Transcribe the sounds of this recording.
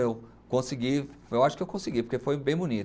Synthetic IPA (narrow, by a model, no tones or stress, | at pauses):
ew | kõsiɡiewaʃʊ̥kɪewkõsiɡipoɾkefojbẽj̃bunit̪